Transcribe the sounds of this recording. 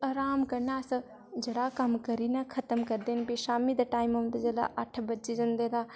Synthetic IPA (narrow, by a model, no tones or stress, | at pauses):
ɐːɾaːmkɐɾnaːsɐ | d͡ʒɐɽaːkɐmkɐɾiːnakʰɐt̪əmkɐɾd̪eːnbiʃaːmid̪aʈaːimũnd̪ad͡ʒɐla̰ʔɐʈʰbɐtːt͡ʃid͡ʒɐ̃nd̪eːd̪aː